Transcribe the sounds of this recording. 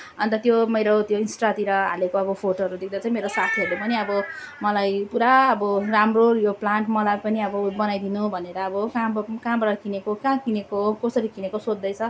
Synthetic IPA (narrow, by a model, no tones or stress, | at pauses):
ʌnt̪ʌt̪jomʌjɾot̪joinsʈat̪iɾʌɦa̰lekoʌbʌpʰoʈoɦʌɾud̪ek̚d̪at͡saĩmeɾosat̪ʰiʌɾlepʌniʌbʌmʌlajpuɾaːbʌramrojoplaɳʈmʌlapʌniʌbʌbʌnajd̪inubʱʌneɾʌːbʌkãbkãbʌɾʌkinekokãkinekokʌsʌɾikinekosod̪ːʌjt͡sʰʌ